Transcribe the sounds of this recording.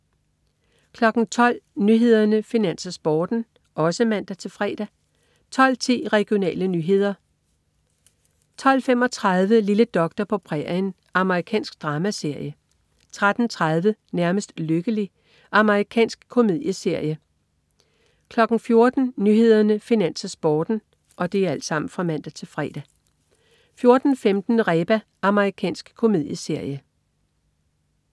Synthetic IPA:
kʰlɒ̽ɡ̥n̩t͡sʰɒ̽l̰nyɦe̝ð̞̰ˠɐnəfinænsɐsb̥ɒːd̥n̩ | ʔɒ̽səmæn̰d̥æt͡sʰe̝lfʁɛ̰ːd̥æ | t͡sʰɒ̽l̰t͡sʰḛːʁɛɡ̥ijo̝nɛ̰ːlənyɦe̝ð̞̰ˠɐ | t͡sʰɒ̽l̰fem̰ɒ̽t͡sʰʁɑð̞ˠʋəliləd̥ɒ̽ɡ̥̚d̥ɐpʰɒ̽pʰʁɛ̰e̝n | ɑ̈məʁikʰɛ̰ːnsɡ̥̚d̥ʁɑ̈ːmæse̝ɐ̰jə | t͡sʰʁad̥n̩t͡sʰʁað̞ˠʋənæɐməsd̥løɡ̥əli | ʔɑ̈məʁikʰɛ̰ːnsɡ̥kʰo̝með̞̰ˠjəse̝ɐ̰jə | kʰlɒ̽ɡ̥n̩fjo̝ɐd̥n̩nyhe̝ð̞̰ˠɐnəfinæn̰səsb̥ɒːd̥n̩ | ʔɒ̽d̥e̝æɐæl̰d̥sɑ̈m̰n̩fʁɑ̈mæn̰d̥æt͡sʰe̝lfʁɛ̰ːd̥æ | fjo̝ɐd̥n̩femd̥n̩ʁɛb̥æ | ʔɑ̈məʁikʰɛ̰ːnsɡ̥kʰo̝með̰ˠjəse̝ɐ̰jə

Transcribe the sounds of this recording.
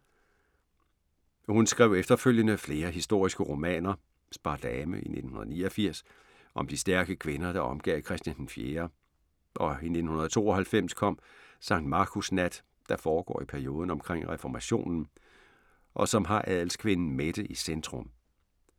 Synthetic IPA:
hunsɡ̥ʁɛʊ̰efd̥ɐføl̰jənəfle̝ːɐɦisd̥o̝ɐ̰isɡ̥əʁo̝mɛ̰ːnɐ | sb̥ɑ̈d̥ɛːmə̰ḭne̝d̥n̩hunɐðˠnḭːɒfiɐ̰s | ʔɒ̽md̥isd̥æɐɡ̥əkʰʋe̝nɐd̥ɑ̈ɒ̽mɡ̥ɛ̰ːkʰʁɛsd̥ænn̩fjeːɐ | ʔɒ̽ine̝d̥n̩hunɐð̞̩ˠt͡sʰo̝̰ːɒ̽hælfem̰skʰɒ̽m̰sɑ̈ŋ̰d̥mɑ̈ːkʰusnæd̥ | d̥ɑ̈fɒːɡ̥ɒ̰ːipʰæɐio̝ːð̞ˠən̩ɒ̽mkʰʁeŋ̰ʁɛfɒmæɕo̝̰ːnn̩ | ʔɒ̽sɒ̽mɦɑ̈ʔɛð̰ˠl̩skʰʋe̝nn̩med̥əʔisend̥ʁɔ̽m

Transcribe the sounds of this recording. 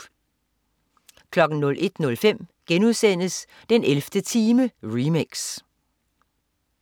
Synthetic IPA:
kʰlɒ̽ɡ̥n̩nɔ̽lʔe̝d̥nɔ̽lfem̰ɡ̥enuðˠsen̰əs | d̥enelfd̥ət͡sʰiːməʁimeɡ̥s

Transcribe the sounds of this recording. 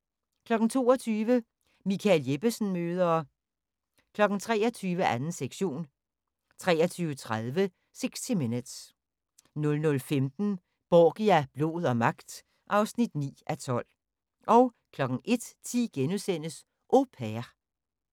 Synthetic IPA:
kʰlɒ̽ɡ̥n̩t͡sʰo̝ːɒt͡sʰyːʋə | mikʰæljeb̥əsn̩møːð̞ˠɐ | kʰlɒ̽ɡ̥n̩t͡sʰʁɛ̰ːɒt͡sʰyːʋəʔænn̩seɡ̥ɕo̝̰ːn | t͡sʰʁɛ̰ːɐt͡sʰyːʊʋət͡sʰʁað̞ˠʋə | seɡ̥sd̥ʰimenəd̥s | nɔ̽lnɔ̽lfemd̥n̩ | b̥ɒːɡ̥iæb̥lo̝̰ːð̞ˠɒ̽mɑ̈ɡ̥d̥ | ʔɑ̈ʊsnid̥nḭːʔæt͡sʰɒ̽l̰ | ʔɒ̽ʊ | kʰlɒ̽ɡ̥n̩ʔe̝d̥t͡sʰḭːɡ̥enusen̰əs | ʔopʰe

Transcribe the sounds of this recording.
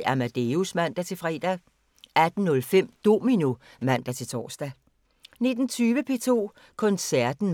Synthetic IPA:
æmæd̥e̝usmæn̰d̥æt͡sʰe̝fʁɛ̰ːd̥æ | ʔæd̥n̩nɔ̽lfem̰d̥o̝minu | mæn̰d̥æt͡sʰe̝t͡sʰɒ̰ːsd̥æ | ne̝d̥n̩t͡sʰyːʋəpʰe̝t͡sʰo̝̰ː | kʰɔ̽nsæɐ̰d̥n̩

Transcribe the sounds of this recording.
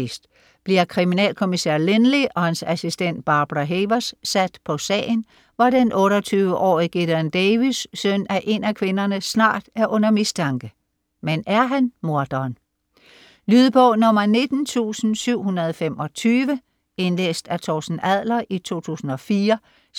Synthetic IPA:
sd̥ | b̥liɐkʰʁiminɛ̰ːlkʰo̝misḛɐ̰lenliʔɒ̽hænsæsisd̥en̰d̥̚b̥ɑ̈ːb̥ʁɑ̈ɦeːʋɐsːæd̥pʰɒ̽sɛ̰ːɪn | ʋɑ̈d̥enʔɔ̽ːɾɒt͡sʰyːʋəʔɒ̰ːiɡ̥ið̥ˠɐnd̥eɪʋisːœnæʔe̝nækʰʋe̝nɐnəsnɑ̰̈ːd̥æɐʔɔ̽n̰ɐmist͡sʰɑ̈ŋɡ̥ə | menæɐɦænmo̝ɐd̥ɒn | lyːðˠəpʰɒ̽nɔ̽mɐne̝d̥n̩t͡sʰṵːsn̩syʊ̰hunɐðˠfemɒ̽t͡sʰyːʋə | e̝nlḛːsd̥æt͡sʰɒːsn̩æð̰ˠlɐʔit͡sʰo̝̰ːt͡sʰṵːsn̩ɒ̽fiːɐ

